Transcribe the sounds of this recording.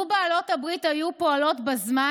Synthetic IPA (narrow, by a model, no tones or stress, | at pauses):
baːlo̞thabʁithajupo̞alo̞tbazma